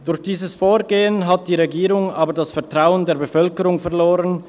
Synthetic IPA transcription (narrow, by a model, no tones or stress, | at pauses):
d̥ʊɾçd̥iːzəsfoːɹɡeːənɦat̚d̥iːʁeɡiːʁʊŋaːbədasfɛɐtʁ̥aʊəndeːɐbəfœlkəʁʊŋfɛɐloːʁən